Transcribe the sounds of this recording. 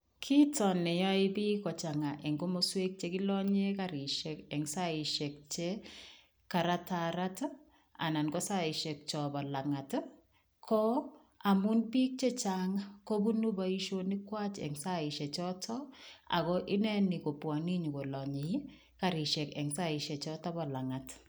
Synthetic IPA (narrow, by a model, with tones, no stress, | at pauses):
kʰi˦tɔ˨nɛ˨jɔ˦ɪ˦bi˦kɔ˨t͡ʃa˨ŋa˨ʔɛ˨ŋɡo˦mo˦swe˦k̚t͡ʃe˦ki˦lɔ˦ɲe˦ka˨ɾi˨ʃe˨kɛ˨ŋsa˦ɪ˨ʃe˨k̚t͡ʃe˦ | ka˨ɾa˦taɾa˦t | a̰˨na˨nɡɔ˦sa˦ɪ˨ʃe˨k̚t͡ʃɔ˨ba˨la˨ŋa˨t | kʰɔ˦ | a˨mu˦npi˦k̚t͡ʃe˦t͡ʃaŋako˦bu˦nu˦bai˦ʃoni˦kwa˦t͡ʃɛ̰ŋsa˦ɪ˨ʃɛ˨t͡ʃɔ˦tʰɔ˦a̰˨kɔʔɪ˦nɛ˦niko˨pwa˨ni˦ɲu˨ko˨lɔɲe | ka˨ɾi˨ʃɛ˨kɛ̰˨ŋsa˦i˨ʃɛ˨t͡ʃɔ˦tɔ˦bɔ˨la˨ŋa˨t